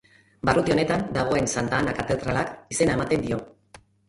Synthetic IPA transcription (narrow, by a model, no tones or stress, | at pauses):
barut̪io̞ne̞t̪and̪aɣ̞o̞e̞nsand̪aːnakat̪e̞ðɾalakise̞naemat̪e̞nd̪io̞